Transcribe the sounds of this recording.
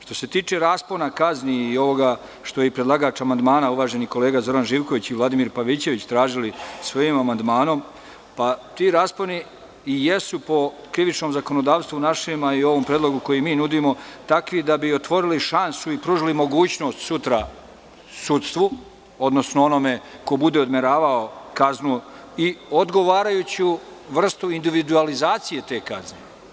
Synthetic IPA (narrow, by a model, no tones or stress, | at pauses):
ʃt̪o̞se̞t̪iːt͡ʃeɾaːspo̞nakazniːo̞ʋo̞ɡa | ʃt̪o̞jeipɾed̪lˠaɡaːt͡ʃamand̪maːnauʋaːʒe̞niko̞le̞ːɡazo̞ɾanʒiːʋko̞ʋit͡ɕiʋlˠad̪imiɾpaʋit͡ɕe̞ʋit͡ɕt̪ɾaːʒilisʋo̞jimamand̪maːno̞m | pat̪iɾaːsponi | je̞supo̞ | kɾiʋit͡ʃnomzako̞no̞d̪aːʋst̪ʋunaʃimaio̞ʋo̞mpɾed̪lo̞ɡuko̞jimiːnud̪imo̞t̪akʋid̪abio̞t̪ʋo̞ɾiliʃansuipɾuʒilimo̞ɡuːt͡ɕno̞ːst̪sut̪ɾa | sut̪st̪ʋu | o̞d̪no̞snoo̞no̞me̞ko̞bud̪e̞o̞d̪meɾaːʋaokaznuiod̪ɡo̞ʋaːɾajut͡ɕiu | ʋr̩st̪uind̪iʋid̪ualizaːt̪sije̞t̪e̞ːkazne